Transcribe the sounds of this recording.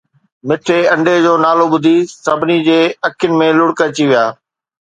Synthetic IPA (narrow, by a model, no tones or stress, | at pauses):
mɪʈʰeɐ̃ɳɖed͡ʑoːnaːloɓʊd̪ʱisɐbʱnid͡ʑeːɐkʰjʊnɪ̆mẽlʊɽkət͡ɕiʋijaː